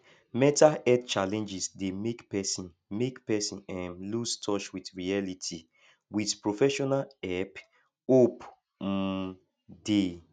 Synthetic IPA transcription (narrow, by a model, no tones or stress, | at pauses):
mɛ̃taɛdt͡ʃalɛ̃nd͡ʒisdemekpɛsĩn | mekpɛsĩnɛ̃nlustʰɔt͡ʃwitɹialitʰi | widpɹofɛʃɔnalɛp | op̩ | de